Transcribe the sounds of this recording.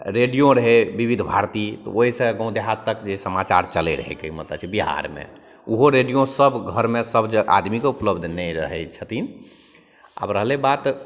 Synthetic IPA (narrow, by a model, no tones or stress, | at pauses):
ɾeɖijõɾəɦebibid̪ʱbʱaɾt̪it̪ɔ̰oɦisə̃ɡə̃ũd̪eɦat̪ːəkd͡ʒesəmat͡ʃaɾt͡ʃəlḛɾə̰ɦḛkeimət̪ə̰t͡ʃʰibiɦa̰ɾmḛ̃ | uɦoɾeɖijõsəbɡʱəɾmesəbd͡ʒeʔa̰d̪mikeupləbd̪ʱnɛɾəɦɛt͡ʃʰət̪in | a̰bɾəɦlebat̪